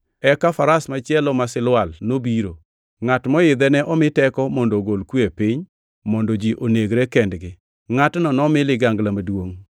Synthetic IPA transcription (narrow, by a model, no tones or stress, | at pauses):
ɛkafaɾasmat͡ʃjɛlɔmasɪlwalnobiɾo | ŋatmɔɪd̪ɛnɛʔɔmɪtɛkɔmɔndoɡolkwepiɪɲ | mɔndɔd͡ʒiʔoneɡɾɛkɛndɡɪ | ŋatnɔnɔmɪlɪɡaŋɡlamadwoŋ